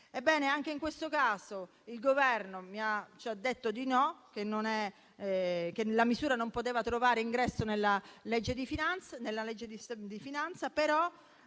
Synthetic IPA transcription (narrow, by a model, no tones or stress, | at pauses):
ebːɛːneaŋk̟eiŋkwest̪okaːso | ilɡovɛrnomiat͡ʃad̪ːet̪ːod̪inɔk̟enːonɛ | k̟elamisuːɾanompot̪eːvat̪ɾovaːɾeiŋɡɾɛsːonelːalɛd͡ʒːed̪ifinant̪sanelːalɛd͡ʒːed̪isd̪ifinant̪sapeɾɔ